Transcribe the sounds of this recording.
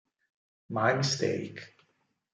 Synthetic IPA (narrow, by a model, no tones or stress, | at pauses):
maɪmɪstḛɪk